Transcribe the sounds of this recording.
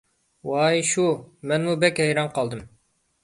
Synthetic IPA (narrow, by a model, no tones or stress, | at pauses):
wɑjʃumɛnmubɛkʲhɛjɾɑnqʰɑlˠd̪ɨm